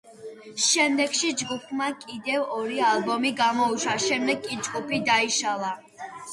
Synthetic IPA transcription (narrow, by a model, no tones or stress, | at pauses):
ʃɛmd̪ɛɡʃid͡ʒɡupʰmakʼid̪ɛvɔɾialˠbɔmiɡamɔuʃaʃɛmd̪ɛɡkʼid͡ʒɡupʰid̪aiʃalˠa